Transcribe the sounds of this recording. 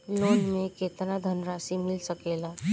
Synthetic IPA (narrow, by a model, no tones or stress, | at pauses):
lonmeket̪nad̪ʱənɾasimilsəkela